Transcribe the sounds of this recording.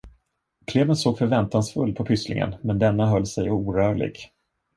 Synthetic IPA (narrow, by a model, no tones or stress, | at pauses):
kʰleːvənsoːɡfœɾvɛnt̪ansfɵlːpʰɔpʰʏslɪ̰ŋə̰nmɛnd̪ɛnːaɦœlːsɛjuːɾœːɭɪ̰ɡ